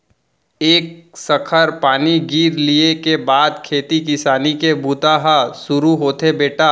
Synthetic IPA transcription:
eːk̚sɐkʰəɾpaːniɡiːɾliekebaːd̪kʰeːt̪ikɪsaːnikebuːt̪aɦasʊɾuɦoːt̪ebeːʈaː

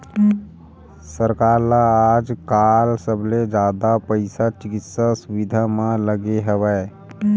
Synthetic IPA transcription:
səɾkaːɾlaaːd͡ʒkaːlsəbled͡ʒaːd̪apəɪsat͡ʃɪkɪt̪sasʊʋɪd̪ʱamãləɡeɦəwɛe

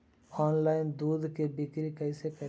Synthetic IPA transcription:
ɔːnlaːɪnd̪uːd̪kebɪkɾikɐɪsekɐ

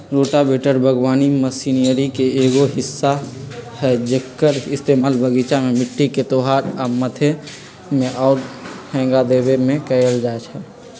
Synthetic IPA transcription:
ɾoːʈabeːʈəɾbʱəɡwaːniməsiːnijəɾikeeːɡoɦɪsːahɛd͡ʒɪkːəɾɪst̪eːmaːlbʱəɡit͡ʃamẽmɪʈːiket̪oːɦaːɾamət̪ʰe | mẽʔaːɾhɛ̃ːɡad̪eːbemẽkəjəld͡ʒaːt͡ʃʰɛː

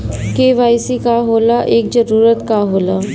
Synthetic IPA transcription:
keːʋajsikaɦoːlaʔeːk̚d͡ʑɐɾuːɾət̪kaɦoːlaː

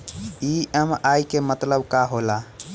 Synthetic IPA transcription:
iəmajkemət̪ləbkaɦola

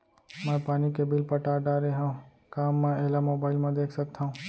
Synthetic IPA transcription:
mɛ̃ːpaːnikebɪlpɐʈaːɖaːɾeɦɛ̃ | kaːmːɛ̃eːlamoːbaːɪlmẽd̪eːkʰsɐk̚t̪aɦũː

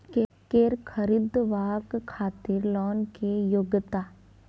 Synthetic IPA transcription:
ke | keɾkʰəɾɪd̪ʋaːɡkʰːaːt̪ɪɾlɔːnkejʊɡt̪aː

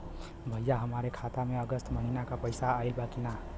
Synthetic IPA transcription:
bʱəjːaɦəmaɾekʰat̪ameʌɡʌst̪ʰməɦinakapəjsaːilbakina

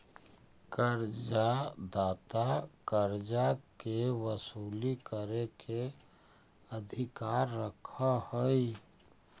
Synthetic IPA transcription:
kəɾd͡ʒad̪aːt̪akəɾd͡ʒakeʋəsuːlikəɾeke | əd̪ʱɪkaːɾːəkʰahɛi

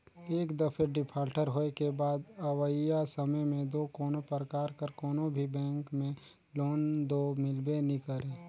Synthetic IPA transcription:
eːkd̪əpʰeɖɪpʰaːɾʈəɾɦoːekebaːd̪ɐwəɪjasəməjmẽd̪oːkoːnopəɾkaːɾkəɾkɔːnobʱibɛ̃ːŋkmẽ | loːnd̪oːmɪlbenikəɾẽː

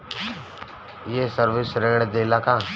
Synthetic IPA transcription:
jesəɾʋɪsɾeɽd̪eːlaka

